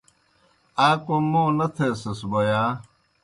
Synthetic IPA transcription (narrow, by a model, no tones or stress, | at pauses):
aːkomõːnɐt̪ʰeːsɐsbojaː